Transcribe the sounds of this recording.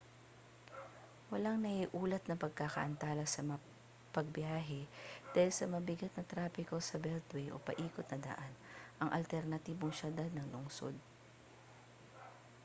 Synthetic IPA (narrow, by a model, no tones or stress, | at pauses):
wɐlaŋnɐhiʔuːlɐt̪̚nɐpɐɡ̚kakɐ̰ʔɐnt̪aːlɐsɐmɐŋa | pɐɡ̚bjaːɦɛd̪̥aːhɪlsɐmɐbɪɡɐt̪̚nɐt̪ɾaːpɪkosɐbɛlt̪wɛjʔo̰pɐ̰ʔiːkot̪nɐd̪ɐ̰ʔanʔɐŋʔɐ̰lt̪ɛɾnɐt̪iːboŋʃɐd̪ad̪̚nɐŋlʊŋso̰d̪̚